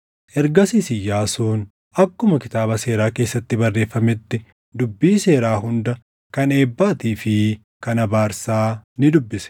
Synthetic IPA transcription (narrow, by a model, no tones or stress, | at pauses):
ʔɛɾɡɐsiːsɪjːaːsuːn | ɐkːʊmɐkɪt̪aːbɐse̞ːɾaːke̞ːsːɐt̪ːɪbɐrːe̞ːfːɐmɪt̪ːɪ | d̪ʊbːiːse̞ːɾaːɦʊnd̪ɐ | kɐne̞ːbːaːt̪iːfɪ | kɐnɐbaːɾsaːnɪd̪ʊbːɪsɛ̥